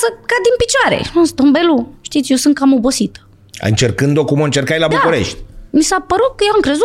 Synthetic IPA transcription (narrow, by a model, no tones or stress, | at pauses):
səkad̪inpit͡ʃoaɾḛnust̪ombeluʃt̪it̪sjewsɨnt̪̚kamobo̞sit̪ə̥ | ɨ̰nt͡ʃe̞rkɨnd̪o̞kuməɨnt͡ʃe̞rkajlabd̪uauɾe̞̰ʃt̪ʲmisapəɾut̪̚kəjewamkɾe̞zu